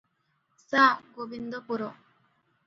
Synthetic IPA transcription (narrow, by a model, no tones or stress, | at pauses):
saːɡobind̪opuɾo